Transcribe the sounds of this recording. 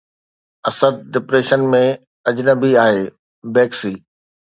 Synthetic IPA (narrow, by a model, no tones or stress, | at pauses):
ɐsəd̪̚ɖɪpɾeːʃənmẽ | ɐd͡ʑnəbiaːɦeː | bɛːksiː